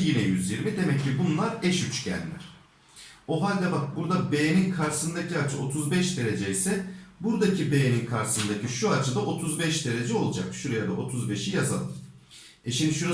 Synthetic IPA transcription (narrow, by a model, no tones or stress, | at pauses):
jinɛjyzjiɾmid̪e̞mɛcʰːibunlˠaɾɛʃyt͡ʃcɛ̰lʲːæ̰ɾ̥ | o̞ɦalʲd̪ʲabak̚buɾd̪abe̞jeninkʰaɾsɯnd̪acʰiat͡ʃʰɯo̞t̪ʰuzbɛʃd̪e̞ɾe̞d͡ʒeisɛbuɾd̪acʰibe̞jeninkʰaɾsɯnd̪acʰiʃuat͡ʃʰɯd̪aʔo̞t̪ʰuzbɛʃd̪e̞ɾe̞d͡ʒɛo̞lˠud͡ʒa̰kʃuɾajad̪aʔo̞t̪ʰuzbe̞ʃijaza̰lˠɯ̰m | ɛʃimd̪iʃuɾa